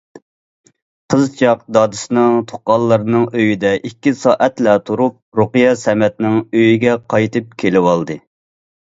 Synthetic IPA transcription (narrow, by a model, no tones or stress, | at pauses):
qʰəzt͡ʃʰɑq̚d̪ɑːd̪ɨsɨnɨŋt̪ʰo̥qːɑlˠːəɾɨnɨŋøjid̪ɛʔikʲːisɑːʔɛt̪lɛt̪ʰuɾup̚ɾoqɨjɑsɛmɛt̪nɪŋøjiɡʲɛqʰɑjt̪ʰɨp̚kʲʰelɪwɑlˠd̪ɨ